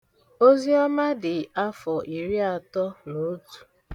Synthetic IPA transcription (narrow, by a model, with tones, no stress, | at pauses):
o˦zi˦ɔ˦ma˦dɪ˨a˦fɔ˨ʔi˨ɾi˦a˨tɔ˦no˨˦tu̥˨